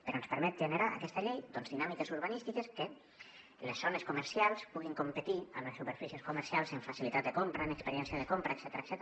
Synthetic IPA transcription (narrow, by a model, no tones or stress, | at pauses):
peɾonspəɾmɛt̪̚ʒeneɾaʔːkɛst̪aʎejd̪onzðinamikesuɾβanist̪ikeske | lesːoneskuməɾsialˠspuɣ̞iŋkompet̪iə̰mlesːupeɾfisieskuməɾsialˠzeɱfasilit̪at̪d̪ekompɾaenekspeɾjɛnsjəðekompɾaeksɛt̪ɾaeksɛt̪